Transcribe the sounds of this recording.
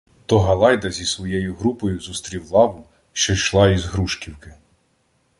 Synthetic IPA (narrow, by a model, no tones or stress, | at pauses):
t̪ɔɦɐlˠɑjd̪ɐzʲisʋɔjɛjʊɦɾupɔjʊzust̪ɾʲiwlˠɑwʊ | ʃt͡ʃɔjʃlˠɑizɦɾuʃkʲiwkɪ